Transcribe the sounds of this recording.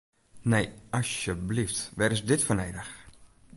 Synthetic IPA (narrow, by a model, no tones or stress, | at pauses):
nejɑsjəbliftʋɛɾɪsdɪtfənɛjdəx